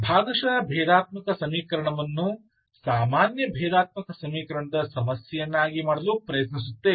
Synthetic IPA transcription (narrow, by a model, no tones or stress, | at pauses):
bʱaːɡɐʃɐbʱɛːd̪aːt̪̚mɐkɐsɐmiːkɐɾɐɳɐʋɐnːu | saːmaːnjɐbʱɛːd̪aːt̪̚mɐkɐsɐmiːkɐɾɐɳɐd̪ɐsɐmɐsjɐjɐnːaːɡimaːɽɐlupɾɐjɐt̪nis̬ut̪ːe